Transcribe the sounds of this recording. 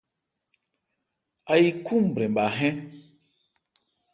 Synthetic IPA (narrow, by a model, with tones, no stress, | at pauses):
a˨ji˦ku˦˨m˨bɾɛ˨mɓa˨ɦɛ̃˦